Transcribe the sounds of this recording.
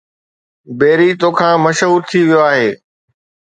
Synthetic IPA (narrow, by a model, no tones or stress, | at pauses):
beːɾit̪oːkʰãːmɐʃɦuːɾt̪ʰiʋijoaːɦeː